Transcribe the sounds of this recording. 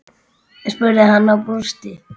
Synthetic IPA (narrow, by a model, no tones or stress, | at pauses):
ɛspʏɾhanːawpɾust̪ɪ